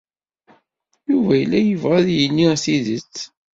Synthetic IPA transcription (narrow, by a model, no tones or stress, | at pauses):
juvæjəlːæjəvʁæðjənːisiðət͡sː